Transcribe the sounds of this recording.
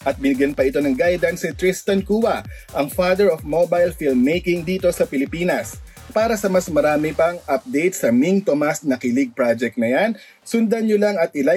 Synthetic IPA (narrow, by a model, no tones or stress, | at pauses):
ʔɐt̪̚bɪnɪɡjɐnpɐʔɪt̪o̞nɐŋɡajd̪ɐnsɪt̪ɾɪst̪ɐnkuːwɐʔɐŋfad̪ɛɹofmobajlfilmːejkɪŋd̪iːt̪o̞sɐpɪlɪpiːnɐs | paːɾɐsɐmɐsmɐɾaːmɪpɐŋʔɐp̚d̪ejt̪̚sɐmiŋt̪omɐsnɐkilɪɡ̚pɹad͡ʒɛk̚t̪nɐjan | sʊnd̪ɐnɲʊlaŋɐt̪̚ɪla